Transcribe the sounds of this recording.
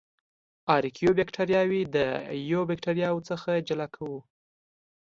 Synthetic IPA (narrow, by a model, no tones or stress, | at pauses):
ɑɾkʰijobekʈaɾjɑwid̪əjobɪkʈaɾjɑwt͡səxad͡ʒalakʰawu